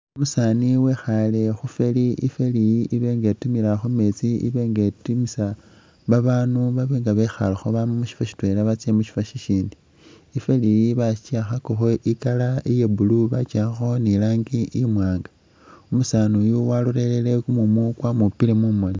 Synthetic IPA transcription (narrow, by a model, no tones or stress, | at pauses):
umusaːniwexale̞xufe̞liifelijiiβe̞ːŋɡetumiɾaxome̞t͡siḭβe̞ːŋɡetumisa | βaβaːnuβaβeːŋɡaβexa̰laxoβammuʃi̥faʃi̥twe̞laβat͡siemuʃi̥faʃiʃiːndiː | felijiβat͡ʃiaxakoxoʔikalaijebuluβat͡ʃaxo̞nilaːŋɡiʔimwaːŋɡḁ | umusanujuwalure̞lelekumumukwamupilemumoni